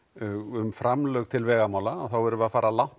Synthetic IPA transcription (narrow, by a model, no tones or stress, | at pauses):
ʏmfɾamlœɣt̪ʰɪlvɛːɣamaːwlaːðθawvɛɾʏvʏaðfaːɾalawn̥t̪